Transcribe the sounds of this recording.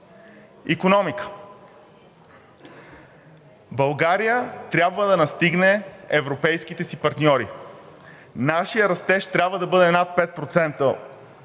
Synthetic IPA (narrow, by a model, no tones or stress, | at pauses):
ikonɔmikə̥ | bɐlˠɡaɾijət̪ɾʲjabvəd̪ɐnɐst̪iɡnɛɛvɾopɛjskit̪ɛsipɐɾt̪nʲɔɾi | naʃijəɾɐst̪ɛʃt̪ɾʲabvəd̪ɐbɤd̪ɛnat̪̚pɛt̪̚pɾot̪sɛnt̪ə